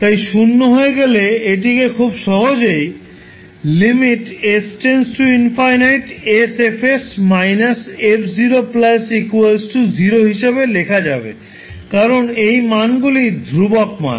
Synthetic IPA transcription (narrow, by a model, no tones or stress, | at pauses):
t̪ajʃunːoɦoeɡeleeʈ̬ikekʰubʃɔɦod͡ʑej | limiʈesʈensʈuinfajnajʈesefesmajnasepʰd͡ʑiɾoplasikuelsʈuziɾoɦiʃebelekʰad͡ʑabḛ | kaɾonejmanɡulid̪ʱɾubokma̰